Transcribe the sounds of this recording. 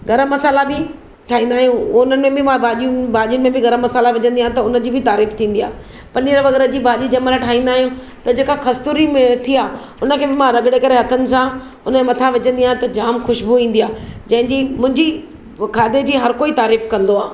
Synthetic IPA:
ɡɐɾəmːɐsaːlabɪ | ʈʰaːĩːnd̪aːɦijũʊnənɪmẽbʱɪmãbaːʄiubaːʄijʊnɪmẽbɪɡɐɾəmːɐsaːlaʋɪd͡ʑə̃nd̪ijãːɦẽt̪ɐʊnə̆d͡ʑiːbɪt̪aːɾiːft̪ʰĩːn̆d̪ijaː | pɐɾnɪɾʋɐɣəɾəd͡ʑiːbaːʄid͡ʑɐməlaʈʰaːɦĩːn̆d̪aːɦijũ | t̪ɐd͡ʑeːkaxɐst̪uɾimẽt̪ʰiaː | ʊnə̆kʰeːbɪmãɾɐɡɪɽekɐɾeɦɐt̪ʰənɪ̆sã | ʊnəmẽmɐt̪ʰãʋɪd͡ʑə̃nd̪ijaːɦẽt̪ɐd͡ʑaːmxʊʃbuʋĩːnd̪ijaːd͡ʑɐ̃ɦɪ̃ɲd͡ʑiːmʊ̃ɦɪ̃ɲd͡ʑi | kʰaːd̪ed͡ʑiːɦɐɾkoːit̪aːɾiːfkɐ̃nd̪oaː

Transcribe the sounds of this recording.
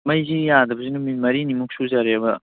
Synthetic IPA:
mɐjzijad̪ɐbɐzinumimɐɾinimuk̚suzaɾeɐbɐ

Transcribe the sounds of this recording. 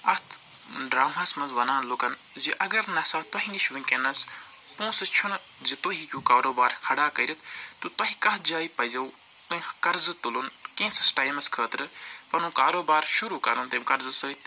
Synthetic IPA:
ɐt̪ʰ | ɖɾaːmaːsmɐnzʋɐnaːnloːkɐn | d͡ʒiʔɐɡɐɾnɐsaːt̪ɐɦĩŋɡiʃʰʋĩkenɐs | ũːsɨt͡ʃʰun | d͡ʒit̪oɦikʲũːkaːɾoːbaːɾkʰɐɽaːkɐɾit̪ʰt̪ut̪ɐɦikɐɦd͡ʒaːipɐzɐu | t̪ɐ̃ĩkɐɾzɨt̪ulunkẽːsɐsʈaːjmɐskʰəːt̪ɾɨ | pɐnũːkaːɾoːbaːɾʃuɾuːkɐ̰ɾunt̪eːmkɐɾzɨsɐt̪

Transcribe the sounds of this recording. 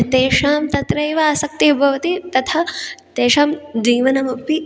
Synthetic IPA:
t̪eːʂaːmt̪ɐt̪ɾɐjʋɐasɐk̚t̪ibʱɐʋɐt̪it̪ɐt̪ʰɐt̪eːʃaːmd͡ʒiːʋɐnɐmɐpi

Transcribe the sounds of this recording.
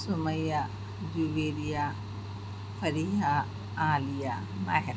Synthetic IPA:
sʊmɐjaː | d͡ʒuʋeːɾija | fɐɾiːɦa | aːlijaː | maɦɾ

